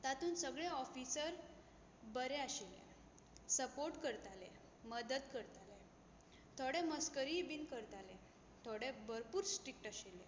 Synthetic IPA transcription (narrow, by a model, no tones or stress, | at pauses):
t̪at̪uːnsəɡɭɛɔfisəɾ | bəɾɛaɕelɛ̰̃ | səpoɾʈkəɾt̪alɛ̃ | məd̪əd̪kəɾt̪ale | t̪ʰoɽeməskəɾiebinkəɾt̪ale | t̪ʰoɽɛbəɾpuːɾsʈɾik̚ʈaɕelɛ